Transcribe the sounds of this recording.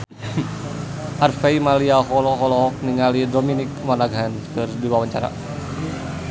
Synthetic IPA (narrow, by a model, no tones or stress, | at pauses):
ʔarfeimaliaɦɔlɔɦɔlɔɦɔk̚niŋalidɔminikmanaɡɦankɨrdiwawaɲt͡ʃa̰ɾa̰